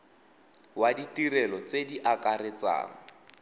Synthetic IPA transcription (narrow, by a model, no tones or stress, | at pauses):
waditirɛlɔt͡sediʔakarɪt͡sa̰ːŋ̩